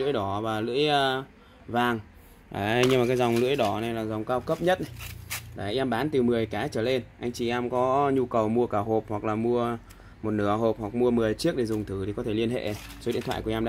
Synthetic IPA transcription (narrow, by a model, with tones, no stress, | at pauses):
ɨ̰˧˥əjɗɔ˨˩˦vaː˨˩lɨ̰˧˥əjə˧ | vaː˨˩ŋ | ʔaː˨˦ɲɨ˧maː˨˩kaː˨˦jza˨˩wŋ͡mlɨ̰˧˥əjɗɔ˨˩˦na˨˩jlaː˨˩zɔ˨˩wŋ͡mkaː˧wkə˦˥p̚ɲə˦˥t̚a˨jɗa˨˩ʔa˧jʔɛ˧mɓaː˨˦nt̪ɨ˨˩mɨ˨˩əjkaː˨˦t͡ɕəː˧˩le˧nʔa˧jŋ̟t͡ɕḭ˧˩ʔɛ˧mkɔ˨˦ɲu˧kə˨˩wmu˧əkaː˧˩ɦo˨˩p̚hwk̚laː˨˩mu˧ə | mo˨˩t̚nɨ̰˧˩əɦo˨˩p̚hwa˨˩k̚mu˧əmɨ˨˩əjt͡ɕɨ˦˥ək̚ɗe˧˩zʊ˨˩ŋ͡mt̪ʰɨ˧˩t̪i˨˩kɔ˨˦t̪ʰe˧˩li˧ənhḛ˧˨so˨˦ɗi˧˥nt̪ʰw̰aː˧˨kɛ˧mɗ̰a̰ː˧